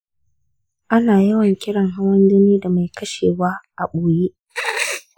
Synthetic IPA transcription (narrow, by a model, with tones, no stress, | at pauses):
ʔa˦naː˨jɐ˦wɐ˨ŋkʲɪ˦ɽɐ˨ŋɦa˦wɐ˦ndʊ˦niː˦da˨ma˨jkʰɐ˦ʃeː˨waː˦ʔa˨ɓoː˨je˦ʔ